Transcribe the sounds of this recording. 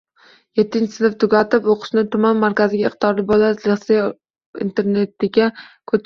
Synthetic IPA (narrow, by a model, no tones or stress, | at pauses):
je̞t̪ʰːɪnt͡ʃʰɪsɪnɪft̪ʰʊɡʲat̪ɪpoqʰɨ̥ʃnɪt̪ʰʊmanmaɾkʲazɪɡʲaɪqt̪ʰɪɒɾɪbɒlat̪lese | ḭnt̪ʰe̞ɾne̞t̪ɪɡʲakʰɵ